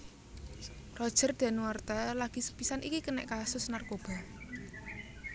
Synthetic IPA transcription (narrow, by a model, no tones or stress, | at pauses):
rɔd̥ʒ̥ə̤rd̪̥a̤nuwart̪alaɡ̥i̤sə̥pisanikikənɛ̰ʔkasʊsnarkob̥a̤